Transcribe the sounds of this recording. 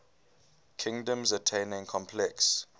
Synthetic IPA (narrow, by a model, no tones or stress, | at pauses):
kʰĩŋdə̃mzətʰẽnɪ̃ŋkʰɔ̃mpʰlɛks